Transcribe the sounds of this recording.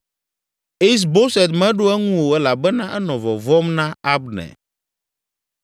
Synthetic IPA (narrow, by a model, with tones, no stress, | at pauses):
e˦s̬bo˦sɛ˨d̪mɛ̃˦ɖo˦ɛ˦ŋũ˦wo˨ɛ˦la˨bɛ˦nã˦ʔɛ˦nɔ̃˨vɔ˨vɔ˦mnã˦a˦bnɛ̰˨